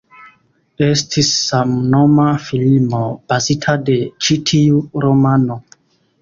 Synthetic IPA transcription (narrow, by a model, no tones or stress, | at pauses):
estʰisːamnomafilimob̥azitʰade̞t͡ʃitʰiuɾomano